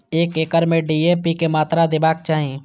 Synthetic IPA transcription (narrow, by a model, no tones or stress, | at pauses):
eːkeːkəɾmẽɖiːepikemaːt̪ɾad̪ebaːk̚t͡ʃaːɦẽ